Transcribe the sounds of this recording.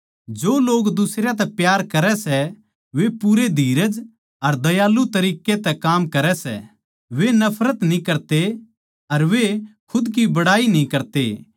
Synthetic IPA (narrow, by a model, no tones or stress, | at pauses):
d͡ʒoːloːɡd̪ʊsɾjat̪̬ɛpjaːɾkɐɾɛsɛ | ʋepuɾed̪ʱiːɾəd͡ʒ | ɐɾd̪ɐjaːlut̪ɐɾiːket̪ɛkaːmkɐɾɛsɛ̰ | ʋenɐpʰɾət̪nĩkɐɾt̪e | ɐɾʋekʰʊd̪k̬ibɐɽaːinĩkɐɾt̪ḛ